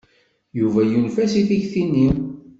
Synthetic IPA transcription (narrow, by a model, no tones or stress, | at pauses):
juvæjunfæsiθiçθinːi